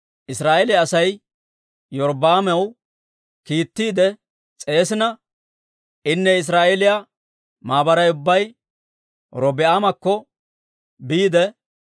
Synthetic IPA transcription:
ʔɪsɾaːʔelɪɐsɐj | jɔɾbaːmɛw | kiːt̪ːiːd̪ɛ | t͡sʼe̞ːsɪnɐ | ʔɪnːɛɪs̬ɾaːʔelɪja | maːbɐɾɐjʊbːɐj | ɾɔbɪaːmɐkːɔ | biːd̪ɛ

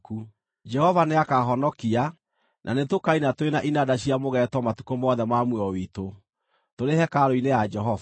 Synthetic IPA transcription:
ku | d͡ʒɛhɔvaneakaɦɔnɔkia | nʔa̰netokainatoenaʔinadaɕiamoɣɛtwɔmatu̥komɔðɛmamweɔwito | toɾehɛkaɾoinejad͡ʒɛɦɔva

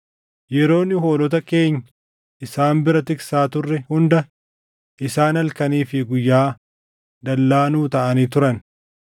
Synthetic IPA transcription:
jɛɾo̞ːnːɪɦo̞ːlɔt̪̬ɐke̞ːɲːɐ | ʔɪsaːmbɪɾɐt̪ɪksaːt̪ʊrːɛhʊnd̪ɐ | ʔɪsaːnɐlkɐniːfɪɡʊjːaː | d̪ɐlːaːnuːt̪ɐʔɐniːt̪̬ʊɾɐn

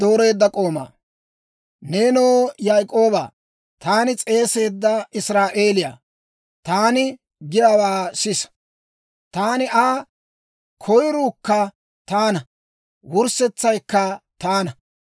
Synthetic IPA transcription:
d̪̥o̞ːɾe̞ːd̪ːɐkʼo̞ːma̰ː | neːnoːjaːjkʼo̞ːba̰ː | t̪aːnɪt͡sʼe̞ːse̞ːd̪ːɐɪsɾaːʔe̞ːlɪja̰ː | t̪aːnɪ | ɡɪdɐwaːsɪs | t̪aːnɪʔaː | kʰɔjɾuːkːɐ | t̪aːnɐ | wʊɾsɛt͡sːɐjkːɐt̪aːnɐ

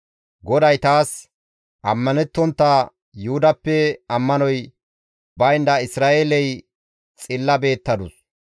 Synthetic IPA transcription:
ɡɔd̪ɐjt̪aːs | ʔɐmːɐnɛt̪ːɔnt̪ːa | jʊhʊd̪ɐpːɛɐmːɐnɔj | bɐjnd̪ɐɪsɾaːʔeːlɛj | t͡sʼɪlːɐbe̞ːt̪ːɐd̪ʊs

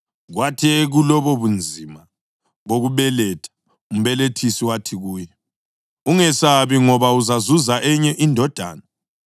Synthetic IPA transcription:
ɣwatʰieɣulɔβɔβund͡zʱima | ɣoɣuβɛlɛtʰḁ | um̩βɛletʰisiwatʰiɣuːjɛ | uŋɛsaβiŋɔβauzazuzaʔɛɲɛʔindʱɔd̥ʱa̰ːna

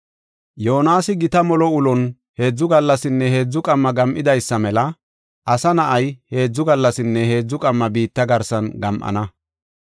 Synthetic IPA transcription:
joːnaːsɪɡɪt̪ɐmɔlɔʊlɔn | he̞ːd͡zːʊɡɐlːɐsɪnːɛhe̞ːd͡zːʊkʼɐmːɐɡɐmʔɪd̪ɐjsːɐmɛlɐ | ʔɐsɐnɐʔɐjhe̞ːd͡zːʊɡɐlːɐsɪnːɛhe̞ːd͡zːʊkʼɐmːɐbiːt̪ːɐɡɐɾsɐnɡɐmʔɐ̰nɐ

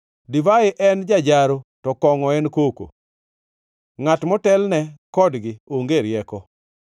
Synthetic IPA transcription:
divaɪʔɛnd͡ʒad͡ʒaɾotɔkɔŋɔɛnkoko̰ | ŋatmɔtɛlnɛkɔdɡɪoŋɡeɾjɛkɔ

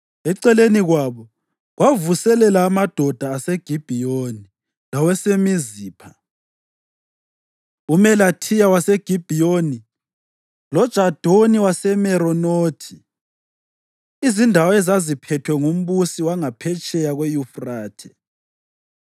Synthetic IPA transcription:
ɛǀɛleniɣwaβɔ | ɣwavusɛlɛlaːmad̥ʱɔd̥ʱaːseɡ̥ʱib̥ʱijoni | lawɛsemiziːpʰa | umɛlatʰijawaseɡ̥ʱib̥ʱijoni | lɔd̥ʒ̥ʱad̥ʱoniwasɛmɛɾɔnoːtʰi | izindʱawɔɛzazipʰɛtʰwɛŋum̩βusiwaŋapʰɛt͡ʃʼɛjaɣwɛjufraːtʰɛ̥

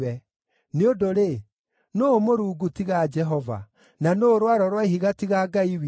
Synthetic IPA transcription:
ɛ | neodoɾe | nomoɾuːɡutiɣad͡ʒɛɦɔva̰ | nanoːɾwaɾɔɾwaiɦiɣatiɣaːɡaiw

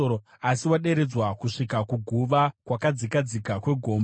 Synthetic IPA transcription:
o | asiwaɗe̞ɾe̞d͡zwakuʂikakuɡʱuʋakwakad͡zikad͡zikakwe̞ɡʱo̞ːm

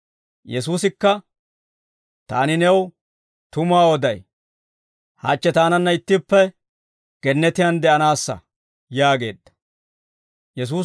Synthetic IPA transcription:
jɛs̬uːsɪkːɐ | t̪a̰ːnɪnɛw | t̪ʊmaːwɔd̪ɐj | ha̰ːt͡ʃːɛt̪aːnɐnːɐɪt̪ːɪpːɛ | ɡ̥ɛnːɛt̪ɪjɐnd̪ɛʔɐnaːsːɐ̰ | jaːɡe̞̰ːd̪ːɐ̥ | jɛs̬uː

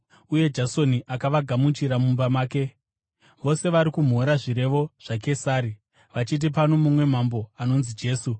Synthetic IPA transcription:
uje̞d͡ʒaso̞niʔakaʋaɡʱamut͡ʃiɾamumbamaːke̞ | ʋo̞se̞ʋaɾikum̤o̞ɾaʐiɾe̞ʋo̞ʐ̥ake̞saːɾi | ʋat͡ʃit̬ip̬ano̞mumwe̞mambo̞ano̞nzid͡ʒe̞ːsu

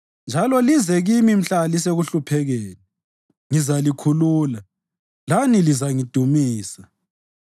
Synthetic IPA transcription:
nd͡ʒʱalɔlizɛɣimim̩ɬalis̬eɣuɬupʰɛɣɛːnɛ | ŋizalikʰuluːla | lanilizaŋid̥ʱumiːsḁ

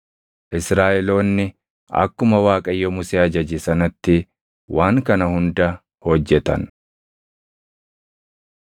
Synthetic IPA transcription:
ʔɪsɾaːʔɛlo̞ːnːɪ | ɐ̰kːʊmɐwaːkʼɐjːɔmʊseːɐd͡ʒɐd͡ʒɪsɐnɐt̪ːɪ | waːŋkɐnɐhʊnd̪ɐ | hɔd͡ʒːɛt̪ɐ̰n

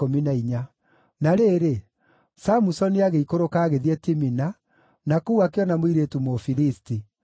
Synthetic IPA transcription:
ominaiɲa | naɾeːɾe | samusɔniaɣeikoɾokaːɣeðiɛtimina | nakuuakeɔnamoiɾetumofiɾisti

